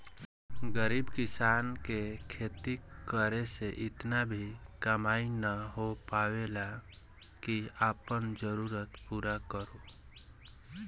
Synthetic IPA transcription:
ɡəɾiːbkɪsaːnkekʰeːt̪ikəɾeseʔɪt̪nabʱikəmaːinəɦopaːwela | kiaːpənd͡ʒəɾuːɾət̪puːɾakəɾo

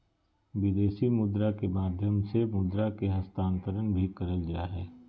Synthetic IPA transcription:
ʋɪd̪eːʃimʊd̪ɾakemaːd̪ʱjəmsemʊd̪ɾakeɦɐst̪ãːnt̪əɾənbʱikɐɾəld͡ʒaːɦɛː

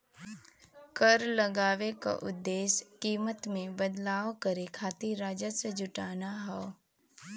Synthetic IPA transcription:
kəɾləɡaːʋeka̰ʔʊd̪ːeːskiːmət̪mẽbəd̪laːʋkəɾekʰaːt̪iɾaːd͡ʒəsed͡ʒʊʈaːnaɦɔː

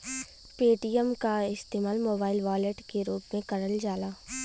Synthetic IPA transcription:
peːʈijəmkaɪst̪eːmaːlmoːbaːɪlʋaːleʈkeɾuːpmẽkɐɾəld͡ʒaːlaː

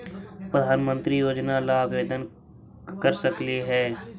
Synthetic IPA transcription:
pɾəd̪ʱaːnmə̃nt̪ɾijoːd͡ʒnalaːbʋeːd̪ən | kəɾsəkliɦɛː

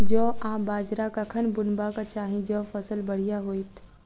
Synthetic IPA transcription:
d͡ʒoːãːbaːd͡ʒɾakɐkʰənbʊnbakat͡ʃaːɦĩd͡ʒɔːfɐsəlbɐɽ̤ijaɦoːit̪ʰ

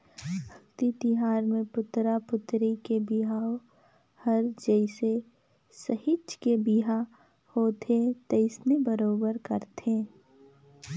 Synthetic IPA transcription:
bʱɐkt̪it̪iɦaːɾmẽpʊt̪ɾapʊt̪ɾikebiɦaːo | həɾd͡ʒɛɪse | səɦɪt͡ʃkebiɦa | hoːt̪et̪ɐɪsnebəɾoːbəɾkɐɾt̪ẽː

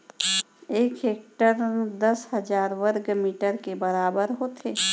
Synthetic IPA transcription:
eːkeːk̚ʈəɾd̪əshəd͡ʒaːɾwəɾɡmiːʈəɾkebəɾaːbəɾɦoːt̪eː

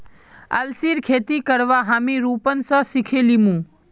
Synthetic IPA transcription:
ə̰lsiːɾkʰeːt̪ikəɾʋaɦaːmiɾuːpən̆sə̃sikʰelimũː

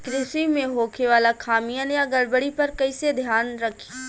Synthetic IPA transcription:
kɾɪsimẽɦoːkʰeʋaːlakʰaːmijanjaɡɐɽbəɽipɐɾkɐised̪ʱjaːnɾɐkʰi̥

